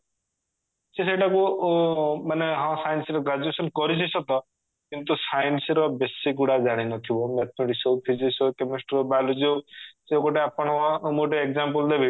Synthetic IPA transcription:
seseʈaku | maneɦãsajnsɾɔɡad͡ʒuesɔnkɔɾit͡ʃʰisʰɔt̪ɔ | kint̪usajnsɾɔbesikuɽad͡ʒaɽ̃inɔt̪ʰibɔmet̪̚ʰmeʈiksopʰizisowkemisʈɾobalud͡ʒowsekɔʈeapɔɽ̃ɔɔmuʈ̬eekd͡ʒampɔld̪ebi

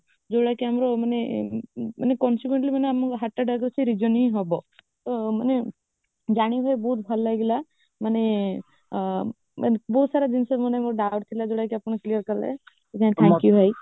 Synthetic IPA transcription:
d͡ʒoɽajkiamɔɾɔmane | manekɔnsikweɳʈlimaneamɔkɦaʈːaɖaɡɾsʰiɾid͡ʒɔnĩɦɔbɔ | t̪ɔmane | d͡ʒaɽ̃ibʱɔjbɔɦut̪̚bʱalːajɡɛla | mane | ma̰nbɔɦut̪saɾad͡ʒinsɔmɔnemoɾɔɖawʈt̪ʰilad͡ʒoɽajkiapɽ̃ɔklijəɾkɔɾlḛ | et̪ːt̪ʰɛ̃kjuɦaj

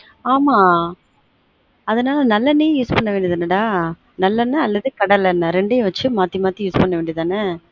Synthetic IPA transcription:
aːmaː | ɐðɐnaːlɐnɐlːɐnːejjuːspɐɳːɐʋeːɳɖiɐðɐnɐɽaː | nɐlːɐnːɐɐlːɐðɯkɐɽɐlɛnːɐɾɛɳɖejʋɐt͡ʃːɯmaːt̪ːimaːt̪ijuːspɐnːɐʋeːɳɖiɐðaːnɐ

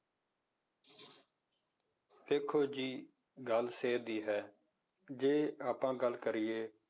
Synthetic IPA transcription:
ʋeːkʰoːd͡ʒiː | ɡəlseːd̪iːɦɛː | d͡ʒeːaːpãːɡəlkəɾɪːeː

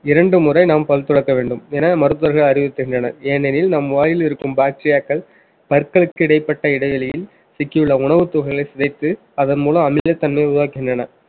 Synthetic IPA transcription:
ɪɾɐɳɖɯmʊrɐɪnaːmpɐlt̪ːɔɽɐkːɐʋeːɳɖɯmeːnɐmɐɾɯt̪ːɐɾɣɐɭɐɾɪʋɪt̪ːɯɣɪndrɐnɐ̰eːnɛnɪlnɐmʋaːjɪlɪɾɯkːɯmbaːk̚ʈɾɪjaːkːɐɭ | pɐɾkːɐɭɯkːɯɪɽɐɪpːɐʈːɐɪɽɐʋɐlɐjɪn | sɪkːɪɯɭːɐʊɳɐʋɯt̪ːʊɣɐlɐɪsɪðɐɪt̪ːɯ | ɐðɐnmuːlɐɐmɪlɐt̪ːɐnmeʊðɯʋaːkːɪɣɪndrɐnɐ

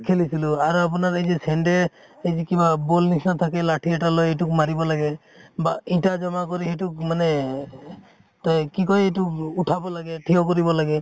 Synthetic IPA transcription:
kʰelisiluaɾuap̬unaɾejzɛsɛɳɖɛ | ejzɛkibabolnisnat̪ʰakɛlaʈʰiɛʈalɔjetuk̚maɾibɔlaɡɛ | baiʈad͡ʒɔmakɔɾihɛtuk̚manɛ | takikɔjetukuʈʰabɔlaɡɛʈʰiɔkɔɾibɔlaɡɛ

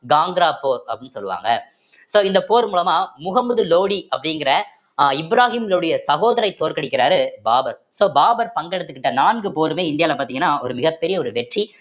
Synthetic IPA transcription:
ɡaːŋɡɾaːpoːɾɐpːɐɪnːɯsɔlːɯʋa̰ːŋɡɐ̰ | soːɪnd̪ɐpoːɾmuːlɐmaːmʊɣɐmːɐðɯloːɽiɐpːɐɽɪŋɡɪɾɐ | ɪbɾaːɣimlɯɽɐjɐsɐɣoːðɐɾɐɪt̪ːoːɾkɐɽɪkːɪɾaːɾɯbaːbɐɾsoːbaːbɐɾpɐŋɡɛɽɐt̪ːɯkːɪʈːɐnaːnɡɯpoːɾɯmeːɪnd̪ɪjaːlɐpaːɾt̪iːŋɡɐnːaːʔɔɾɯmɪɣɐpːɛɾɪjɐɔɾɯʋɛʈri

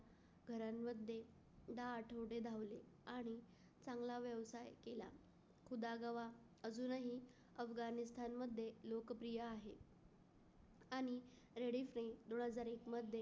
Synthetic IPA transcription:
ɡʱəɾamːəd̪ʱːje | d̪aːʈʰəʋɽed̪ʱaʋleaɽ̃i | t͡sãŋɡlaʋjəʋsajkela̰ | kʰud̪aɡəʋa | əd͡zuːnaɦi | əfɡanist̪ʰanməd̪ʱːjelokpɾijaːɦe | aɽ̃i | ɾeɽifɾə̃id̪oɳ̃ɦəd͡zaɾekməd̪ʱje

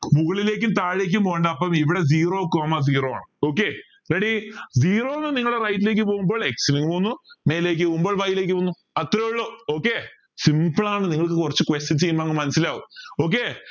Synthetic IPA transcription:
muɣɐɭile̞ːk̬ʲːumt̪aːɻek̬ʲːumpo̞ːɣɐɳɖɐɐpːɐmiʋiɽe̞ziːroːkoːmɐziːro̞ːa̰ːɳɨoːkːe | reɽiziːro̞ːenːɨniŋːɐɭɽerɐjtːile̞ːkːɨpo̞ːɣumbo̞ːɭeksiliŋɡpoːunːume̞ːjileːk̬ʲːɨpoɣumboɭʋɐjile̞ːk̬ːɨpoːnːu | ɐt̪ːrɐjoɭːoːoːkːe | simbɨɭaːɳɨniŋːɐɭkɨkurɐt͡ɕːɨkwestɐnt͡ɕejːumːaːŋːɨmɐnɐsːilaːuo̞ːk̬ːe

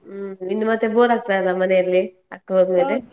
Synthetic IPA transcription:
inːumɐt̪ːeboːɾaːk̚t̪ajlamɐneiɾli | ɐkːɐɦoːd̪umeːle

